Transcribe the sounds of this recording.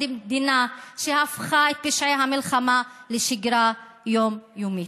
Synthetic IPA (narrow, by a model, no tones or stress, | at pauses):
imd̪inaʃehafxaet̪̚piʃʕeɦamɪlxamaleʃɪɡɾa | joːmjomit̪